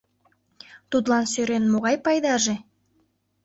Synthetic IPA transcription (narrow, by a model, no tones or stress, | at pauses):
t̪ud̪lɑnsøɾenmoʁɑjpɑjd̪ɑʒe